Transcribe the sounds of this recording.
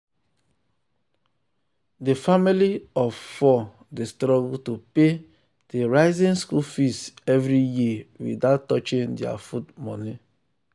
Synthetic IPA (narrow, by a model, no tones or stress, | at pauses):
defamiliɔffɔ | destɾɔɡutupe | d̥eɾaɪzĩnskulfistɛvɾijiwḭdatːɔt͡ʃĩndɪa̰futmɔni